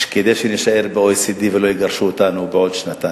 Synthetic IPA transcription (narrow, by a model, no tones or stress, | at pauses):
ʃked̪elʃeneʃaeʁbeojsid̪ivelo̞jiɡaʁʃuot̪anubeod̪ʃnat̪a